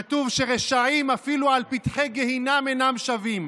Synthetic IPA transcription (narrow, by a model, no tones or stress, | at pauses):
t̪uvʃe̞ʁeʃaimafilualpitχeɡehinamenamʃavim